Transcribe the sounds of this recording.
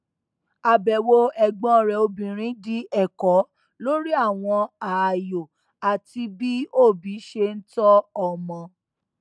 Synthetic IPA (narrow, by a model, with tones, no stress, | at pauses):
a˨bɛ˨wo˧ɛ˨ɡ͡bɔ̃˦˧˨ɾɛ˨o˧bĩ˨ɾ̃ĩ˨˦di˦ɛ˦˨kɔ˨˦ | lo˦ɾi˦a˦˨w̃ɔ̃˧a˨jo˨ | a˨ti˧bi˦o˦˨bi˨˦ʃe˧n̩˦tɔ˦ɔ˦˨mɔ̃˧